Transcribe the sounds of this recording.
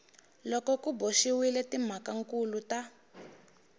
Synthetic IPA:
lɔkɔkuboʃiwilɛtim̤akaŋkuluta

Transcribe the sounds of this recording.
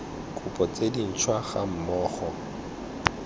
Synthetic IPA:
kʼʊpʼɔt͡sʼedin̩t͡ʃʰwaχa̰m̩mɔːχɔ

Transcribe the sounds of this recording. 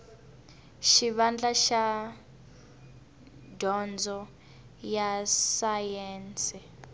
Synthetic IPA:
ʃiβand͡ɮaʃa | dʱɔnd͡zʱɔ | jasajɛːnt͡sɛ

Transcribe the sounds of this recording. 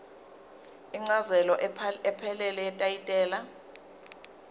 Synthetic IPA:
iŋ͡ǀazɛlɔʔɛpʰɛlɛlɛɛtʼajitʼɛːla

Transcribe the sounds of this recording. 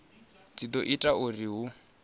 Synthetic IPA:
t͡sid̪ɔʔitʼauriɦu

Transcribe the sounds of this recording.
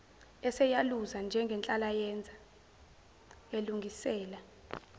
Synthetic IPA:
ɛsɛjaluzand͡ʒʱɛŋɡʱɛnt͡ɬʼalajɛnd͡zʱa | eluŋɡʱisɛːla

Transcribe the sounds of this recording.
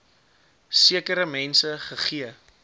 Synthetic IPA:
siəkəɾəmɛnsəχəχiə

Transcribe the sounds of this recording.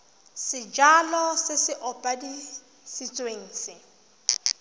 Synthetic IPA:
sɪd͡ʒalɔsɪsɪʔɔpʼadi | sit͡sʼweŋ̩ːsɪ

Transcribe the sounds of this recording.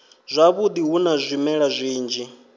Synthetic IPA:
z̥ʷaβud̪iɦunazʷimɛɺazʷiːnd͡ʒi

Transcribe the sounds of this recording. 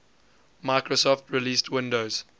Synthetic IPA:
maɪkɹosɔftʰɹiliːstʰwɪ̃ndoʊz̥

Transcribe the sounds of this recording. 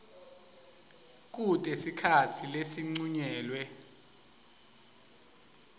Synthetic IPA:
k̬ʼutʼesikʰatʰilesiŋ͡ǀuɲɛːlwɛ

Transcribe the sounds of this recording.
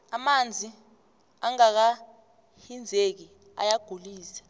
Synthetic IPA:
amand͡zʱi | aŋak̬a | hind͡zʱek̬i | a̰jaɡ̥ʱuliːsḁ

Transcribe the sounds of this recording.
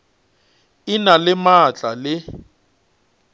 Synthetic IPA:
ɪnalɪmat͡ɬʼalɪ

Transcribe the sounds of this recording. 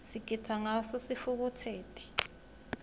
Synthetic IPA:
sikitʰaŋasɔsifuk̬utʰɛːtʼɛ̥

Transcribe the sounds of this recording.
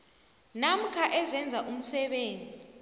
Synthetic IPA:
nam̩kʰaʔɛzɛnd͡zʱaʔum̩sɛɓeːnd͡zʱʼi

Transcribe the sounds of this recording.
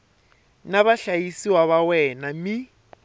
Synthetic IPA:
naβaɬajisiwaβawɛnami

